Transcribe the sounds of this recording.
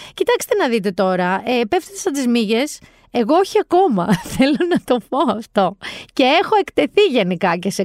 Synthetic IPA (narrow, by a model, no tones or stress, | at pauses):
cit̪ɐkst̪enɐðit̪e̞t̪o̞ɾɐepeft̪et̪esɐt̪̬izmiʝe̞s | e̞ɣo̞oçiɐko̞mɐθe̞lo̞nɐt̪o̞po̞ɐft̪o̞ce̞e̞xo̞e̞kt̪e̞θiʝenikɐce̞se